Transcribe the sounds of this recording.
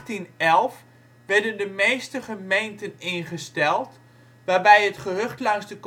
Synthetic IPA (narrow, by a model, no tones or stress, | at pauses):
tinɛlˠf | ʋɛrdəndəmeːstəχəmejntənɪnχəstɛlˠt | ʋaːbɛjətχəɦɵχtlɑŋzdək